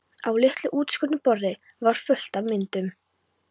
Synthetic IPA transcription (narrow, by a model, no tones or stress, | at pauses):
awlɪht̪lʏʔuːt̪skʏnnʏpɔɾðɪ | vaɾ̥fœl̥t̪avmɪnt̪ʏm